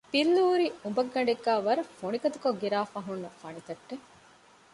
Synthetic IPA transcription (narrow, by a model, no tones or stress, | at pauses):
b̥ilːuːɾiumbɐɡːɐɳ̆ɖeɡːaːʋɐɾɐfoɳikɐt̪ukoɡiɾaːfɐɦunːɐfɐnit̪ɐʈːe